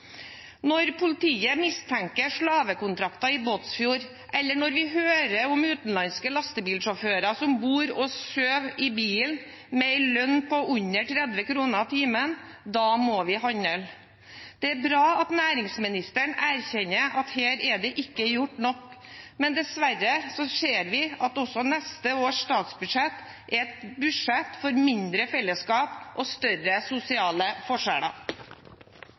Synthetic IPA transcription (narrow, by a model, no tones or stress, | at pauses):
nɔɾpʰʊlɪt̪ʰiːəmɪst̪ʰɛŋkəʂɭɑːʋəkʊnt̪ʰɾɑkt̪ɑɪboːt̪sfjuːɾ | ʔɛlːəɳɔɾʋɪɦøːɾəʊmʉːt̪n̩lɑnskəlɑst̪əbiːlʂɔføːɾɑsɔmbuːɾɔsøːʋɪbiːll | mɛɪlœnpɔʔʉɲːəʈʰɾɛd̪ʋəkɾuːnɑt̪ʰiːmənd̪ɑːmoʋɪhɑɲəl | d̪̥ɛæɾbɾɑːɑt̪næːɾɪŋsmɪnɪst̪əɳæɾçɛɲːəɾʔɑt̪heːɾɛɖ̪ɛʔɪkːəjʊʈːnɔkmɛnd̪ɛsʋæɾːəsɔseːɾʋɪɑt̪ɔsɔnɛst̪əoːʂst̪ɑːt̪sbʉdʂɛt̪ː | ʔɛt̪bʉʂɛt̪fɔɾmɪnd̪ɾəfɛlːəskɑːpʔɔst̪œɾəsʊsɪɑːləfɔʂæ̰ːɽɑ̰